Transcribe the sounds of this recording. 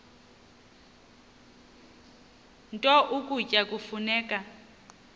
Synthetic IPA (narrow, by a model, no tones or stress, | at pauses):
ntʼɔʔukʼucʼakʼufunɛːkʼa